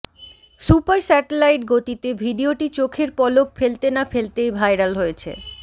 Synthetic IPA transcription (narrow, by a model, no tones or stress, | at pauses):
supaɾsɛʈelajʈɡot̪it̪ebʱiɖioʈit͡ɕokʰeɾpɔlokfelt̪enafelt̪ejbʱajɾalɦojet͡ɕʰḛ